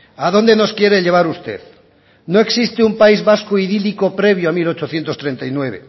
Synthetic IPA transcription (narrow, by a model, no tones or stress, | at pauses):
aðo̞nd̪e̞no̞skje̞ɾeʎe̞β̞aɾust̪e̞ð | noe̞ksist̪eumpaizβaskoiðiliko̞pɾe̞β̞joamilo̞t͡ʃoθje̞nt̪ost̪ɾe̞nt̪ajnwe̞β̞ḛ